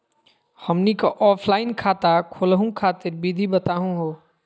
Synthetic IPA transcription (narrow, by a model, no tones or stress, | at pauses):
həmnikəʔɔpʰlaɪnkʰat̪akʰolɦũkʰat̪ɪɾbid̪ʱibət̪aɦũɦo